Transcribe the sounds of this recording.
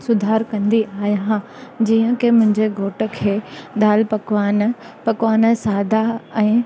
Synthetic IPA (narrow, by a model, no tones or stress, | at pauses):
sʊd̪ʱaːɾkɐ̃nd̪iaːjɦã | d͡ʑiːə̃kemʊ̃ɦɪ̃ɲd͡ʑeɡʱoːʈəkʰeːd̪aːlpɐkʋaːn | pɐkʋaːnəsaːd̪ʱaɛ̃ː